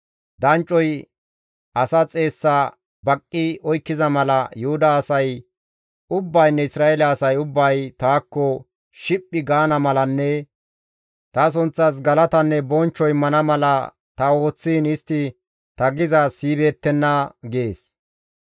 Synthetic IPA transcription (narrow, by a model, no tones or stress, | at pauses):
d̪ɐnt͡ʃʼːɔj | ɐsɐt͡sʼe̞ːsːɐ | bɐkʼːɪɔjkːɪzɐmɐlɐjʊhʊd̪ɐːsɐj | ʊbːɐjnːɛɪsɾaːɛlɛːsɐjʊbːɐjt̪aːkːɔ | ʃɪpʼːɪɡaːnɐmɐlɐnːɛ | t̪ɐs̬ʊnt͡sːɐs̬ɡɐlɐt̪ɐnːɛbɔnt͡ʃːɔjmɐnɐmɐlɐ | t̪ɐo̞ːt͡sːiːnɪst̪ːɪ | t̪ɐɡɪzɐsiːbe̞ːt̪ːɛnːɐɡeːs